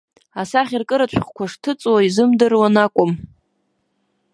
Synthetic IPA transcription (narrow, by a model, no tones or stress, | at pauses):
asaχʲirkʼɨɾatʃʷᶣχʷkʷʰaʂtʰɨt͡sʼwaizɨmdɨrwanakʷʼʊm